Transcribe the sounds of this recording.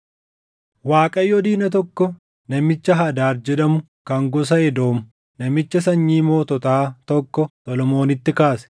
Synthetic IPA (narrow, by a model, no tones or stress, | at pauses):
waːkʼɐjːɔd̪iːnɐt̪̬ɔkːɔ | nɐmɪt͡ʃːɐɦɐːd̪aːɾd͡ʒɛᶑɐmʊ | kɐŋɡɔs̬ɐɛd̪o̞ːmʊ | nɐmɪt͡ʃːɐsɐɲːiːmoːt̪ɔt̪aːt̪ɔkːɔt̪ʼɔlɔmo̞ːnɪt̪ːɪkaːsɛ̥